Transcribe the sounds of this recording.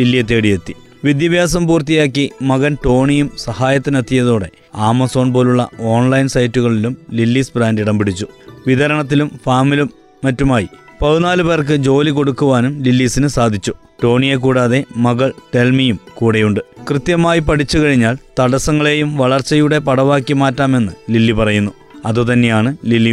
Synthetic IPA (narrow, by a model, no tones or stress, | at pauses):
lilːijɐt̪̬ːeːɽijet̪ːi | ʋid̪jɐbjaːs̬ɐmpuːrt̪ijaːkːimɐɣɐnʈo̞ːɳijumsɐhaːjɐt̪ːɨnɐt̪ʰːijɐðo̞ːɽe̞̰ | aːmɐso̞ːnpo̞ːluɭːɐ̰o̞ːnlɐjinsɐjtːuɣɐɭilumlilːiːsbraːndiɽɐmbiɽit͡ɕːuʋid̪ɐɾɐɳɐt̪̬ːilumfaːmilumː | ɐtːumaːjipɐðunaːluberk̬ɨd͡ʑo̞ːliko̞ɽukːuʋaːnumlilːiːsinɨsaːd̪ʱit͡ɕːu | ʈo̞ːɳijek̬uːɽaːðe̞mɐɣɐɭʈe̞lmijumkuːɽejuɳɖɨkrɨt̪jɐmaːjipɐɽit͡ɕːukɐɻiɲːaːlt̪ɐɽɐsɐŋːɐɭe̞ːjumʋɐɭɐrt͡ɕːɐjuɽe̞pɐɽɐʋaːkːimaːtːaːme̞nːɨlilːipɐrɐjunːu | ɐðut̪ɐnːe̞jaːɳɨlilːi